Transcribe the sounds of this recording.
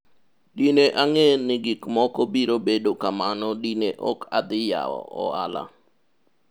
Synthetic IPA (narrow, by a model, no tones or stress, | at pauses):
dineʔaŋenɪɡikmɔkɔbiɾobedokamanɔdineʔɔkad̪ɪja̰ɔ̰ɔ̰ala̰